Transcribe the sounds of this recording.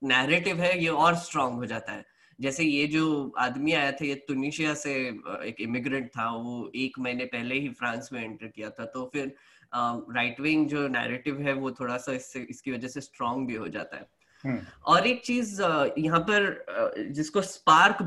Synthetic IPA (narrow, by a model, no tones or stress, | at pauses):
nɛːɾeːʈɪʋɦɛjeɔːɾsʈɾɔ̃ːŋɡɦod͡ʒaːt̪aɦɛː | d͡ʒɛːsejed͡ʒoːa̰ːd̪miaːjat̪ʰejet̪ʊniːʃijaseḛːkɪmɪɡɾə̃ɳʈ̚t̪ʰaʋoeːkmɐɦinepɛɦleɦifɾãːnsmẽɪ̃ɳʈəɾkijat̪ʰat̪ofɪɾ | əɾaːɪʈʋeɪ̃ŋɡd͡ʒoːnɛ̰ːɾeːʈɪʋɦɛʋot̪ʰoːɽasaɪsːeɪskiʋɐd͡ʒɛsesʈɾɔ̃ːŋɡbʱiɦo̰d͡ʒa̰ːt̪a̰ɦɛ̰ː | ɔːɾeːk̚t͡ʃiːzjɐɦãpɐɾd͡ʒɪskospaːɾk